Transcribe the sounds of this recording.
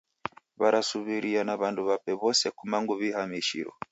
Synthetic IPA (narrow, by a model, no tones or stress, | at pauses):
βaɾasuβiɾianaβanduβapɛβɔsɛkumaŋɡuβihamiʃḭɾɔ̰